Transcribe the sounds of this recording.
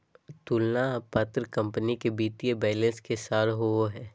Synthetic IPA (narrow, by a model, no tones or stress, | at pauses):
t̪ulnapat̪ɾəkɐ̃mpənikebiːt̪ijebɛːlɛ̃nskesaːɾɦooɦɛː